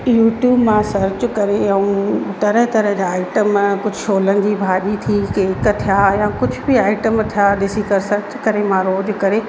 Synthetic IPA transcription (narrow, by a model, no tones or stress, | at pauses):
juːʈjuːbmãsɐɾt͡ɕkɐɾeɐũt̪ɐɾəɦt̪ɐɾəɦd͡ʑaːaːɪʈəmkʊd͡ʑʱʊʃoːlənɪ̆d͡ʑiːbʱaːʄit̪ʰikeːkt̪ʰijajãkʊd͡ʑʱʊbɪaːɪʈəmt̪ʰijaɗɪsikɐɾsɐɾt͡ɕkɐɾemãɾoːd͡ʑʊkɐɾe